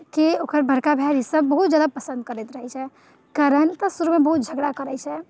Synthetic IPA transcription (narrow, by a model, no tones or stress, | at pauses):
kiokəɾbʱəɾkabʱaɾɦisəbːəɦut̪̚d͡ʒad̪apəsə̃nd̪̚kəɾɛt̪ɾəɦɛt͡ʃʰɛ | kaɾənt̪əsuɾumebəɦut̪̚d͡ʒʱəɡɽakəɾɛt͡ʃʰɛ